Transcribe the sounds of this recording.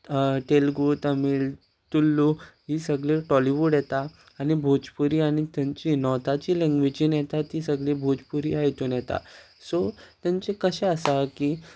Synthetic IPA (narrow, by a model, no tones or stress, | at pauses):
ʈelɡut̪əmiːl | t̪ulːuɦiːsəɡɭeʈɔliʋuɽjɛt̪aː | ñibʱod͡ʑpuɾiːañit̪jãɲt͡ɕinɔt̪at͡ɕiːlɛ̃ŋɡʋid͡ʑiːnjɛt̪at̪isəɡɭebʱod͡ʑpuɾḭaɦjt̪onjɛt̪a̰ | sot̪jaɲt͡ɕekəɕɛ̃əsakiː